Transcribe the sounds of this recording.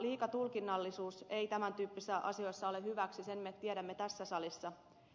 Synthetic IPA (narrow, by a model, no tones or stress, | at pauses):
liːkɑt̪ulkinːɑlːisuːse̞jt̪æmænt̪yːpːisesːæʔɑ̰sio̞jsːɑo̞le̞hyʋæksise̞nmet̪ieɾæmːe̞t̪æsːæsɑlisːɑ